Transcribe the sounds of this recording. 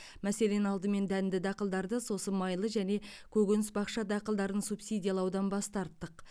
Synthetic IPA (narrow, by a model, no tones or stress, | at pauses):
mæse̞le̞nɑlˠd̪əme̞nd̪ænd̪ɪd̪ɑqəlˠd̪ɑɾd̪əso̞səmɑjlˠəʒæne̞kʲʰɵɡʲɪnɪsbɑqʃɑd̪ɑqəlˠd̪ɑɾənsupsijd̪ʲijalˠɑwd̪ɑnbɑst̪ɑɾt̪ːəq